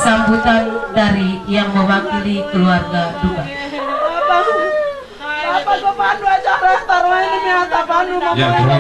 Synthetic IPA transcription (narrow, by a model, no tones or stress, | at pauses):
sambut̪andaɾijaŋməwakilikəluarɡaduka | a | paamanuaaat̪aəɲat̪apanu